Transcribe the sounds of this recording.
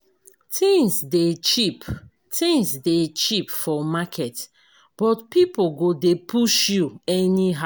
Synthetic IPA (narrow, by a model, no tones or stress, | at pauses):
tʰĩnsdet͡ʃip | tʰĩnsdet͡ʃipfɔmakʰɛt | b̥ɔtpipoɡodepʰuʃjuɛniɦa